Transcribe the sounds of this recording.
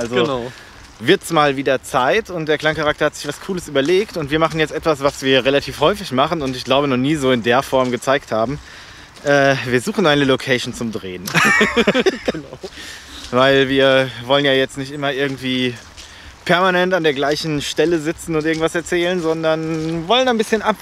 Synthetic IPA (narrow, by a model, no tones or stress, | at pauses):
ʔalzoʊ | vɪɐtɛsmaːlviːdɐt͡saɪtʰʊnt̚d̥eːɐkl̥aŋkaʁak̚tɐhatz̥ɪçv̥askʰuːləsʔyːbɐleːktʊntv̥iːɐmaχn̩jɛt͡stʔɛtv̥asv̥asv̥iːɐʁelatʰiːfhɔʏfɪçmaχn̩ʊntɪçɡ̥laʊbənɔχniːzoːɪndeːɐfɔɐmɡət͡saɪkthaːbm̩ | ʔɛːviːɐzuːxn̩ʔaɪnəlokʰɛːʃn̩t͡sʊmdʁeːən | ɡ̥ənaʊ | vaɪlviːɐvɔlənjaːjɛt͡stnɪçtɪmɐʔɪɐɡŋ̩tv̥iː | pʰɛɐmanɛntandeːɐɡlaɪçn̩ʃtɛləzɪt͡sn̩ʊnt̚ɪɐɡŋ̩tv̥asɛɐt͡sɛːlənzɔndɐnvɔlənaɪnbɪsçənʔap